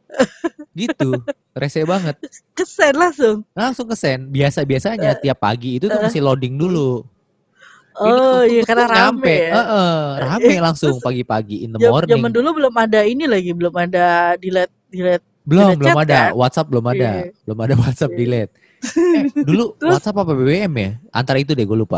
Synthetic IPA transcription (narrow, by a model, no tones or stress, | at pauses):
ɡit̪u | resɛbaŋət̪̚kəsɛnlaŋsʊŋlaŋsʊŋkəsɛnbiasabiasaɲat̪iapːa̰ɡiːt̪ut̪ʊmasɪhlodɪŋdulu | ɔijakarnaɾamɛəʔəramɛlaŋsʊŋpaɡipaɡiːnt̪əmɔrnd͡ʒaɪŋmandulubəlʊmadainilaɡibəlʊmadadilɛt̪̚dilɛt̪̚bəlʊmbəlamadawat̪̚sap̚bəlʊmadabəlʊmadawat̪̚sap̚dilɛt̪̚ | ɛduluwat̪sapapabebeɛmjaʔa̰nt̪aɾait̪̬udɛɡualupa̰